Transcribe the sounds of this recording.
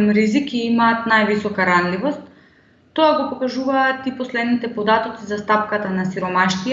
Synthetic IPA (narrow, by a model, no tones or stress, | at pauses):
mɾizikiimaːt̪najvisɔkaɾanlivɔst̪ː | ɔaɡɔpɔkaʒuvaːt̪ipɔslɛd̪nit̪ɛpɔd̪at̪ɔt̪sizast̪ap̚kat̪anasiɾɔmaʃt̪i